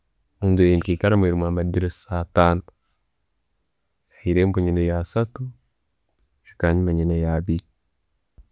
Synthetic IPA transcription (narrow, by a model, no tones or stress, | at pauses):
muːndueinkikaɾameɾimwamadiɾesataːno | jahiɾembuɲinejasatu | ʃu̥kaɲimaɲinejabi